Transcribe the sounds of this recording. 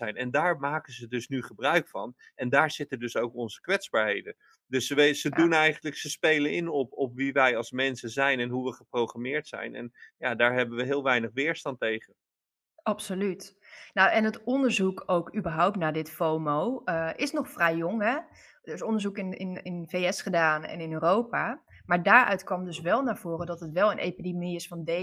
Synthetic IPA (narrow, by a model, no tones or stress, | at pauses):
ɛjnɛndaːɹmaːkənzədɵsnyχəbrœɥkfɑ̰n | ɛndaːɹz̥ɪtəndɵsowkɔnzə̥kʋɛtzbaːɹɦejdən | dɵsəʋezədunɛjχəndləksəspejlənɪnɔpɔpʋiʋɛjɑlˠsmɛnsəzɛjnɛnɦuʋəχəprowχramɪːɹtsɛ̰jnɛ̰njaːdaːɹɦɛbənʋəɦɪːlˠʋɛjnəχʋɪːɹstɑntejχən | ɑpsolytnawɛnətɔndəɹzukowkybəɹɦowp̚tnaːdɪtfowmowʔɪsnɔχfrɛjːoŋɦɛ | dɪsɔndəɹzukɪnɪ̰nɪ̰nfejɛsχədaːnɛ̰nɪnøːrowpa | maːɹdaːɹœ̰ɥtkʋɑmdɵsʋɛlˠnaːɹv̥oːrədɔtətʋɛlˠənʔḛjpidimniɪsfɑnde